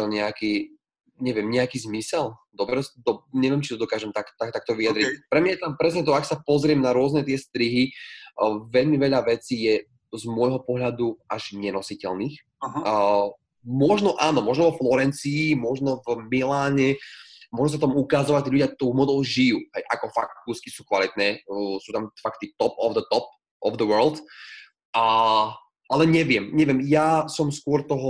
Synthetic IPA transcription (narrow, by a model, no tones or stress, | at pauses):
ɔɲɛakiː | ɲɛʋɪɛmɲɛakiːzmisɛld̪ɔbɾɛsd̪ɔɲɛʋɪɛmt͡ʃit̪ɔd̪ɔkaːʒɛmt̪akt̪akt̪ak̚t̪ɔʋiad̪ɾipɾɛmɲajɛt̪ampɾɛsɲɛt̪ɔaksapɔzɾɪɛmnaɾʊɔznɛt̪ɪɛst̪ɾiɦi | ʋɛʎmiʋɛʎaʋɛt͡siːjɛ | zmɔjɦɔpɔɦʎad̪uʔaʒɲɛnɔsicɛlniːx | mɔʒnɔʔaːnɔmɔʒnɔʋɔflɔɾɛnt͡siːmɔʒnɔvmilaːɲɛmʊɔʒus̬apɔt̪ɔmukazɔʋact̪iːʎuɟɪat̪uːmɔd̪ɛlʒijuːɦɛjʔakɔfa̰kuski̥suːkʋalit̪nɛːsuːt̪amfakt̪it̪ɔpɔvd̪ət̪ɔp̚ | ɔvd̪əʋɜɾld̪ | a | alɛɲɛʋɪɛmɲɛʋɪɛmjaːsɔmskʊɔɾt̪ɔɦɔ